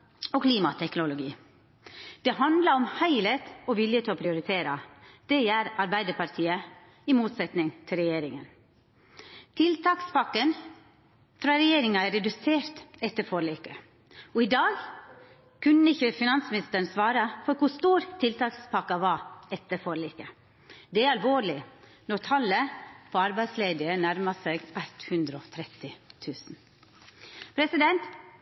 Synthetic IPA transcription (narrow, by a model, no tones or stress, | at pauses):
okʰliːmɑt̪ʰɛknʊlʊɡḭː | d̪̥ɛɦɑnd̪lɑɔmhæɪleːt̪ɔʋɪljət̪ʰɪɔpʰɾɪʊɾɪt̪ʰeːɾɑd̪̥ɛjæːɾɑɾbæɪd̪əɾpʰɑɾt̪ʰiːə | ɪmuːt̪sɛt̪nɪŋt̪ʰɪlɾɛjeːɾɪŋən | t̪ʰɪlt̪ʰɑːkspɑkːən | fɾɑːɾɛjeːɾɪŋɑɛɾɛd̪ʉseːɾt̪ɛt̪ːəɾfɔɾɭiːkə | ɔɪd̪ɑːɡ | kʰʉnəɪçəfɪnɑnsmɪnɪst̪əɳ̩sʋɑːɾɑfɔɾkʊst̪uːɾt̪ʰɪlt̪ʰɑːkspʰɑkːɑʋɑːɛt̪ːəɾfɔɾɭiːkə | d̪ɛæɾɑlʋoːɭɪ | nɔɾt̪ʰɑlːəpʰɔɑɾbæɪd̪sleːd̪ɪənæɾmɑseːɡæt̪hʉnd̪ɾəɔt̪ʰɾɛt̪ɪt̪ʰʉːsn̩ | pʰɾɛsɪd̪ɛnt̪